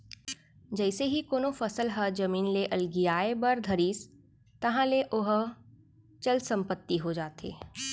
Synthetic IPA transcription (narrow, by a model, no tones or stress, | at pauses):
d͡ʒɛɪseɦikoːnofɐsəlɦəd͡ʒɐmiːnleʔɐlɡijaːebɐɾd̪ʱɐɾiːs | t̪ɐɦãleʔʊɦ | t͡ʃɐlsɐ̃mpət̪ːiɦod͡ʒaːt̪ḛː